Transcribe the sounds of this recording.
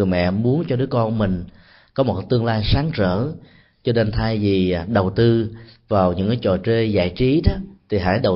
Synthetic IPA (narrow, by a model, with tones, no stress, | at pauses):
əjmɛ̰˧˨mu˨˦ənt͡ɕɔ˧ɗɨ˨˦əkɔ˧nmï˨˩ŋ̟ | kɔ˨˦mo˨˩k̚t̪ɨ˧əŋlaː˧jsaː˨˦ŋt͡ɕə̰ː˧˩˨ | t͡ɕɔ˧ne˧nt̪ʰaː˧jvi˨˩ɗə˨˩wt̪ɨ˧vaː˨˩wɲɨ̰˧˥ŋkaː˨˦t͡ɕɔ̰˧˨˩t͡ɕe˧za̰ː˧˨jt͡ɕi˨˦ɗɔ˨˦t̪ʰi˨˩ɦa̰ː˧˥jɗə˨˩w